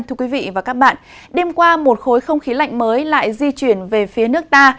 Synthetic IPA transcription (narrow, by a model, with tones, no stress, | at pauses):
nt̪ʰɨ˧əkwi˨˦vḭ˧˨vaː˨˩kaː˦˥k̚ɓa̰ː˧˨nɗe˧mkwaː˧mo˨˩t̚xo˨˦jxə˧wŋ͡mxi˨˦la̰˧˨jŋ̟məː˨˦jla̰ː˧˨jzi˧t͡ɕwi˧˩ənve˨˩fi˨˦ənɨ˦˥ək̚t̪aː˧